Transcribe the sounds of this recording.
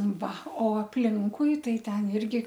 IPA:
ˈʋɐ oː ɐpʲˈlʲɪŋkʊɪ ˈtɐɪ ˈtʲɛn ˈɪrʲɡʲɪ

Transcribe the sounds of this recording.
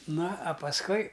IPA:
ˈnɐ ɐ pɐsˈkʊɪ

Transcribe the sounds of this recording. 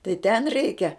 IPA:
tɐɪ tʲɛn ˈrʲɛɪkʲɛ

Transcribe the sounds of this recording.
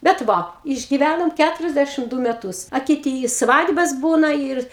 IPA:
bʲɛt ˈʋɐ ɪʒʲɡʲɪˈʋʲænoːm ˈkʲætʊrʲɛzʲdʲæʃʲɪm ˈduː mʲɛˈtʊs ɐ kʲɪˈtʲiː ɪ ˈsʋɑːdbɐs ˈbuːnɐ ɪr

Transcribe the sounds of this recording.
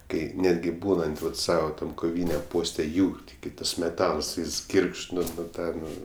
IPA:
ˈkɐɪ ˈnʲæːdʲɡʲɪ ˈbuːnɐnt ˈʋɐt ˈsɑːʋɐ ˈtɐm koːˈʋʲiːnʲɛm ˈpoːsʲtʲɛ ˈjuːr tʲɪˈɡʲɪ ˈtɐs mʲɛˈtɐlˠs ˈjɪs ˈɡʲiːrkʃt ˈnʊ nʊ ˈtɑː ˈnʊ

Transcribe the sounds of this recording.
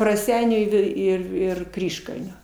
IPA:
rɐˈsʲɛɪnʲuː ɪ ˈʋʲɛɪ ˈɪr ɪr ˈkrʲiːʃkɐlʲnʲoː

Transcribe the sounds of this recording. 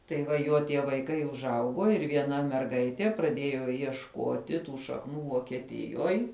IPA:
tɐɪ ˈʋɐ ˈjuɔ tʲiɛ ʋɐɪˈkɐɪ ʊʒˈɐʊɡuɔ ɪr ʋʲiɛˈnɐ mʲɛrˈɡɐɪtʲiɛ prɐˈdʲeːjoː iɛʃˈkoːtʲɪ ˈtuː ʃɐkˈnuː ʋoːkʲiɛˈtʲɪjoːj

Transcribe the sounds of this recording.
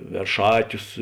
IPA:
ʋʲɛrˈʃɑːtʲʊs

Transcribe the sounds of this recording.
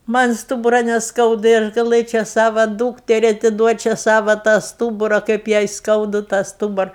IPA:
ˈmɐnʲ ˈstuːbʊrɐ nʲɛsˈkɐʊdɐ ɪr ɡɐˈlˠɘt͡ʃʲɛ ˈsɑːʋɐ ˈduːktʲɛrʲɪ ɐtʲɪˈduɔt͡ʃʲɛ ˈsɑːʋɐ tɑː ˈstuːbʊrɐ kɐɪp jɛɪ ˈskɐʊdʊ tɑː ˈstuːbʊrɐ

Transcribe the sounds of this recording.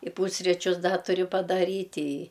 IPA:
ɪ ˈpuːsʲrʲɪt͡ʃʲʊs ˈdɐ tʊˈrʲʊ pɐdɐˈrʲiːtʲ ɪ

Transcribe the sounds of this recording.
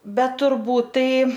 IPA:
ˈbʲɛt tʊrˈbuːt ˈtɐɪ

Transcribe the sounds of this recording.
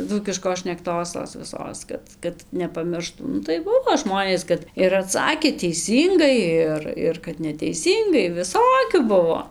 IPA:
ˈd͡zuːkʲɪʃkoːs ʃʲnʲɛkˈtoːs toːs ʋʲɪˈsoːs ˈkɐt kɐt nʲɛpɐˈmʲɪrʃtuː ˈnʊ tɐɪ ˈbʊʋoː ˈʒmoːnʲeːs ˈkɐt ɪr ɐˈtsɑːkʲeː tʲɛɪˈsʲiːŋɡɐɪ ˈɪr ˈɪr kɐt nʲɛtʲɛɪˈsʲiːŋɡɐɪ ʋʲɪˈsoːkʲuː ˈbʊʋoː

